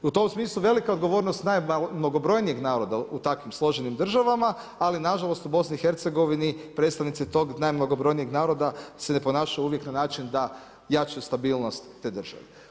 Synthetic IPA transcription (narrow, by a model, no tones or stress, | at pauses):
ut̪o̞msmiːslˠuʋe̞likao̞d̪ɡo̞ʋo̞ːɾnost̪najmno̞ɡo̞bɾo̞jnije̞ɡnaːɾo̞d̪aut̪akʋimslˠo̞ʒenimd̪r̩ʒaʋamaː | linaʒalˠo̞st̪ubo̞sniixe̞ɾt̪se̞ɡo̞ʋinipɾe̞ːt̪st̪aʋnit̪sit̪o̞ːɡnajmnoɡo̞bɾo̞jnijeɡnaːɾo̞d̪asene̞po̞naːʃajuuʋje̞knanaːt͡ʃind̪a | jat͡ʃjust̪abiːlnost̪ːeːd̪r̩ʒ̥a̰ʋe